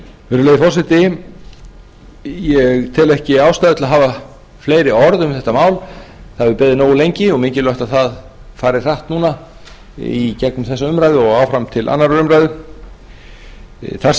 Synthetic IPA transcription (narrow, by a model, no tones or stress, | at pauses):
vɛːɾʏlejðɪfɔrsɪt̪ɪ | jɛɣt̪ʰɪlɛhcɪaːwst̪ajðʏt̪laɦaːva | fleːjɾɪɔɾðʏmθɛht̪amaːwlθaðɛvʏpɛːðɪnoːwɪlejɲcɪɔɣmɪɲcɪlœht̪aθað | faːɾɪ̥r̥aht̪nuːn̪a | icɛknʏmθɛsːaʏmɾajðɪɔɣaːwfɾamt̪ʰɪlʔa̰nːaɾʏmɾajðʏ | θa